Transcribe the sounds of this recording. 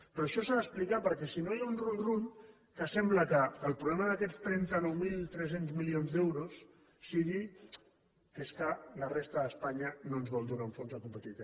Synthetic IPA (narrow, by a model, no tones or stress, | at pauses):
pɾɔəʃɔsaðəsplikapəɾkɛsinojaunrulruʎ | kəsɛmbləkəːlˠpɾuβlɛməðəkɛt͡st̪ɾɛnt̪ənɔwmilˠt̪ɾɛs̬enzmilionzd̪ɛwɾusː | iɣi | keskələrest̪əðəspaɲənoənzβɔlˠd̪uɾauɱfonzðəkumpət̪it̪